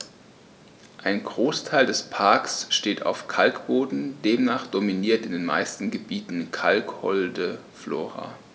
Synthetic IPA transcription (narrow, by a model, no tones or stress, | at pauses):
ʔaɪnɡʁoːstʰaɪldɛspʰaɐksʃteːtʰa̰ʊfkʰalkb̥oːdn̩deːmnaːχd̥ominiːɐtɪndeːnma̰ɪstn̩ɡəbiːtn̩kʰalkhɔldə | flo̰ːʁa̰